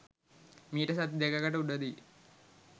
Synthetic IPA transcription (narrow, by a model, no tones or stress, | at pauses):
miːʈəsat̪id̪ekakəʈəuɖəd̪i